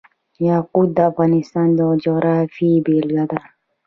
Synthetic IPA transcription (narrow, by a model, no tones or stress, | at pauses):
jakudavanistãndɔd͡ʒɔɾafibelɡad̪a